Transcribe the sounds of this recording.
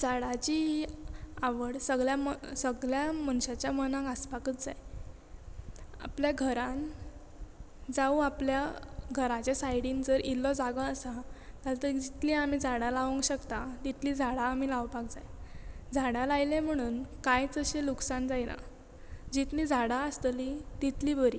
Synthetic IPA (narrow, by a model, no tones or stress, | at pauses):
d͡zaɽat͡ɕiː | aʋəɽsəɡɭjasəɡljamənɕat͡ɕjamənãŋɡaspakət͡sd͡zaj | a̰pljaɡʱəɾãn | d͡zauapljaɡʱəɾãt͡ɕesajɽiːnd͡zəɾilːɔd͡zaɡəːsat̪alt̪əɾd͡ʑit̪liamiːd͡zʱaɽalaʋəŋkɕəkt̪at̪it̪lid͡zʱaɽaːmilaʋpak̚d͡zajd͡zʱaɽalajlẽm̤əɽ̃uːnkajt͡səɕeluksand͡zajna̰ | d͡ʑit̪nid͡zʱaɽaəst̪lit̪it̪liːbəɾiː